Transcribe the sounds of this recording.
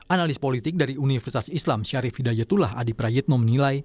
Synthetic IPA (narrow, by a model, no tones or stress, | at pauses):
ʔanalispolit̪ɪk̚daɾiunifərsi̥t̪asislamʃaɾifidajat̪ulaha̰dipɾajɪt̪̚nɔmənilaj